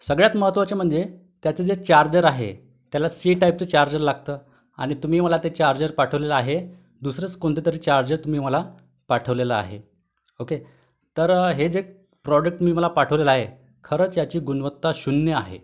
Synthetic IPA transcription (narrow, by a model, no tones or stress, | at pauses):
səɡɭjat̪məɦət̪ːʋat͡ɕem̤əɳd͡ze | t̪jat͡sed͡zet͡ɕaɾd͡ʑəɾaɦḛ | t̪jalasiːʈaip̚t͡set͡ɕaɾd͡ʑəɾlaɡ̚t̪əː | a̰ɽ̃it̪um̤iːməlat̪et͡ɕaɾd͡ʑəɾpaʈʰəʋleləaɦe | d̪usɾət͡skoɳt̪et̪əɾit͡ɕaɾd͡ʑəɾt̪um̤iːm̤əla | paʈʰəʋleləa̰ɦḛ | oke | t̪əɾɦed͡ze | pɾɔɖək̚ʈmiːməlapaʈʰəʋleləaɦe | kʰəɾəːt͡sjat͡ɕiːɡunʋət̪ːaɕunjəaɦḛ